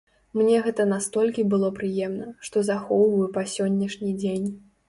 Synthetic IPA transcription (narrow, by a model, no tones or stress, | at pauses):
mnʲɛɣɛt̪ɐnast̪ɔlʲkʲibɨlˠɔpɾɨjɛmnɐʂt̪ɔzaxɔwvɐjɛpɐsʲɔnʲːɐʂnʲid͡zʲenʲ